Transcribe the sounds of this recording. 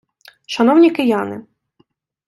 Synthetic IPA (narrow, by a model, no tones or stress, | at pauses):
ʃɐnɔwnʲikɪjɑnɪ̰